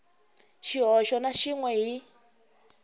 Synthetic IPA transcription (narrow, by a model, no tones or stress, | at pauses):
ʃiɦɔʃɔnaʃiŋwɛɦi